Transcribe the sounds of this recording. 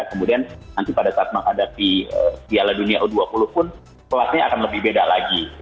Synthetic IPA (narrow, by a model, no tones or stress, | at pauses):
kəmudiannant̪ipadasaat̪̚məŋɦadapiəpialaduniaʔduapulʊhpʊn | kəlasɲaakanləbɪhbedalaɡi